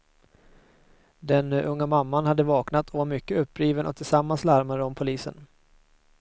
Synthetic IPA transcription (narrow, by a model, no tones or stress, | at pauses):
d̪ɛnʔɵŋːamamːanhad̪ːəvɑːknat̪ʰɔmʏkːəɵpːɾiːvənʔɔ̰t̪ʰɪlsamːanslaɾmaɾəɔmpʰʊliːsə̰n